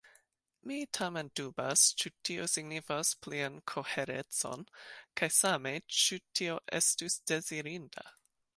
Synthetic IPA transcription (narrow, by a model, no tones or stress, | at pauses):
mitʰamendubast͡ʃutʰiosiɡnifaspliankʰo̞heɾet͡so̞̰nkʰajsame̞t͡ʃutʰio̞ʔḛstusd̥e̞ziɾinda̰